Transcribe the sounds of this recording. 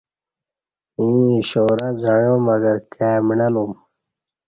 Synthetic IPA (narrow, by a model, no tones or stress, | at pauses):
ĩːɕoːɾɐzajoːmɐɡɐɾkæːmɳɐlum